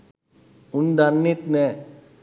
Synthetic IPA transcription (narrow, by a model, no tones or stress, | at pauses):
und̪anːit̪nɛ